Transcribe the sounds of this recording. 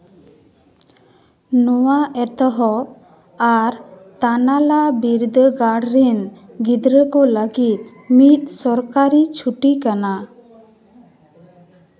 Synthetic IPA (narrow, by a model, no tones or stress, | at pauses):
nɔwaʔɛt̪ɔɦɔ | aɾ | t̪analabiɾd̪əɡaɽɾɛn | ɡid̪ɾəkɔləɡit̪̚ˀ | mit̪̚sɔɾkaɾit͡ʃʰuʈikana